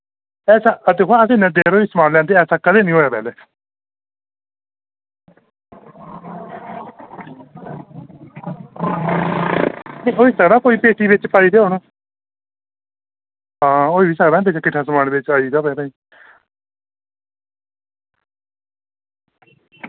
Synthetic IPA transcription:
ɛːsaːd̪eːkʰoaəs̬ĩːnẽːd̪eːɾoːiːsəmaːnlɛ̃ːnd̪eːɛːsaːkəd̪eːnĩːɦoːjaːpɛ̰ːleː | nẽːʔoːiːsəɡd̪aːkoːiːpeːʈʰiːbɪt͡ʃpaːiːd̪eːɦoːnaː | ɦãːoːiːbiːsəkd̪aːɛpeːt͡ʃaːkɪʈʰːaːsəmaːnbɪt͡ʃaːiːd̪aːpɛːɾãĩː

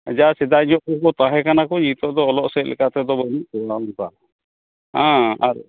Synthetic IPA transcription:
d͡ʒasɛd̪aiɲɔʔkɔkɔt̪ãɦɛ̃kanakɔɲit̪ɔʔd̪ɔːlɔʔsɛʔlɛ̰kat̪ɛd̪ɔbɔniʔ̚kɔwanpa | ãaɾ

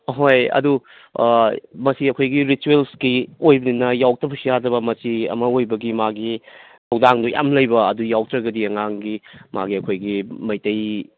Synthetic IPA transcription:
ɦojɐ̰du | mɐsiɐkʰojɡiɾituelskiojbɐninːɐjawk̚tɐpʰusijadɾɐbɐmɐsiɐ̰mɐojbɐɡimaɡi | hʰɐwdaŋdujʔa̰mlɐjbɐɐdujawk̚tɾɐɡɐdiɐŋaŋɡima̰ɡiɐkʰojɡimɐjtɐj

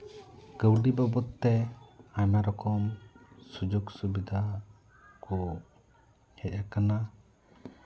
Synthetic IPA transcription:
ɡəwɖibɔbɔt̪ːɛaɲmaɾɔkɔmsud͡ʒuksubid̪ʱa | kɔ | hɛc̪̚akana

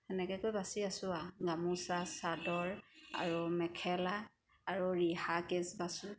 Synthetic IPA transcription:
ɛnɛkɛkojbasiasʊaɡamusasadɔɹa̰ɹumɛkʰɛlaː | ɹuɹihakɛsbasʊ

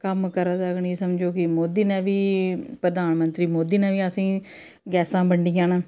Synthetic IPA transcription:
kəmkəɾaːsəkɳiːsəmd͡ʒoːkɪmoːd̪iːnɛ̃ːʋiːpɾəd̪aːnmənt̪ɾiːmoːd̪iːnɛ̃ːʋiːəsĩː | ɡɛːsãːbəɳɖijãːnaː

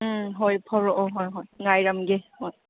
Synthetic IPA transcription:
ɦojpʰɔɾɔʔɔɦojɦojŋajɾamɡehoj

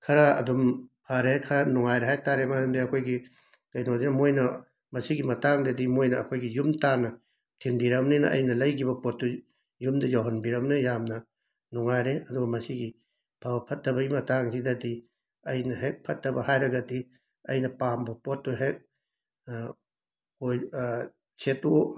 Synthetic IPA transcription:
kʰɐɾaɐ̰dumpʰaɾekʰɐɾanuŋajɾeɦajtaɾemaɾumdiɐkʰojɡi | ɡ̥ɐjnozinɐmojnɐ | mɐsiɡimɐtaŋdedimojnɐːkʰojɡijumtanɐ | tʰimbiɾɐmninɐ̰ʔɐ̰jnɐlɐjɡibɐpotːu | jumdɐjoɦɐnbiɾɐmnijamnɐ | nɔŋajɾeɐduɡɐmɐsiɡi | bʰawɐpʰɐt̚dɐbɐɡimɐtaŋsidɐdi | ɐjnɐɦek̚pʰɐt̚dɐbɐhajɾɐɡɐdi | ɐ̰jnɐpambɐpotːuɦek̚ | oj | sʰetu

